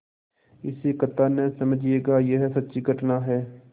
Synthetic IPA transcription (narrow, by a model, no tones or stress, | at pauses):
ɪsekət̪ːaːnɛ̃səməd͡ʒieːɡaːjeɦɛsətːʃiːkəʈnaːɦɛː